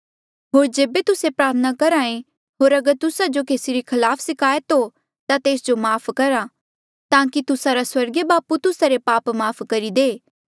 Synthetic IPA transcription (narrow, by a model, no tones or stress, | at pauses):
ɦoːɾd͡ʒeːbet̪ʊsepɾaːɾt̪ʰənakɐɾaːẽ | ɦoːɾɐɡəɾt̪ʊsad͡ʒokeːsiɾikʰɐlaːpʰsɪkʰaːjət̪ɦo | t̪at̪eːsd͡ʒomaːpʰkɐɾa | t̪ãːkit̪ʊsaɾaswɐɾɡebaːput̪ʊsaɾepaːpmaːpʰkɐɾid̪eː